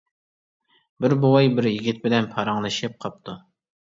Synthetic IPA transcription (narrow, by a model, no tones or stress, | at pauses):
bɪɾbowɑjbɪɾjiɡʲit̪̚bɪlɛnpʰɑɾɑŋlˠɨʃɪp̚qʰɑp̚t̪ʰu